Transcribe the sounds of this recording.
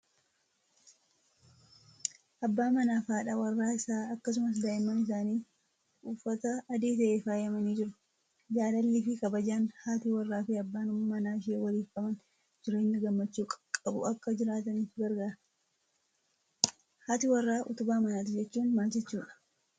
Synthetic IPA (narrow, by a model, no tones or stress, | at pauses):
ʔɐbːaːmɐnaːfaːᶑawɐrːaːɪsaːɐkːɐs̬ʊmɐs̬d̪ɐɪmːɐnɪs̬aːniː | ufːɐt̪ɐːd̪eːt̪ɐʔefaːjɐmɐniːd͡ʒɪɾʊ̥ | d͡ʒaːlɐlːifɪkɐbɐd͡ʒaːnhaːt̪iwɐrːaːfɪɐbːaːnʊmmɐnaːɪʃ̬eːwɐliːfɐmɐn | d͡ʒɪɾe̞ːɲːɐɡɐmːɐt͡ʃːuːkʼkʼɐbʊ̰ɐkːɐd͡ʒɪɾaːt̪ɐnifɪɡɐɾɡaːɾɐ | haːt̪ɪwɐrːaːʔʊt̪ʊbaːmɐnaːt̪̬ɪd͡ʒɛt͡ʃːuːnmaːt͡ʃɪt͡ʃːuːᶑɐ̥